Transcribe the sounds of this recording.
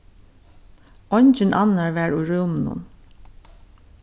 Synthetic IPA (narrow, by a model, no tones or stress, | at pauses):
ɔɲt͡ʃɪnʔanaɹʋæɹujɹumnʊ̰n